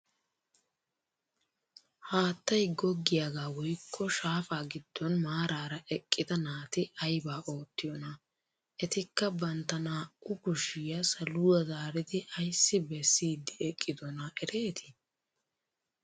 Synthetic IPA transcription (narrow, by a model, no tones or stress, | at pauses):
haːt̪ːɐjɡɔɡːɪjaɡaːwɔjkʰːɔʃaːfaːɡɪd̪̥ːɔnmaːɾaːɾɐʔɛkʼːɪd̪ɐnaːt̪ɪʔɐjbaːʔo̞ːt̪ːɪjɔnɐ | ɛt̪ɪkːɐbɐnt̪ːɐnaːʊkʊʃɪjɐsɐlʊwɐzaːɾɪt̪ɪɐjsːɪbɛsːiːd̪ːɪɛkʼːɪd̪ɔnɐʔɛɾe̞ːt̪ʰɪ̥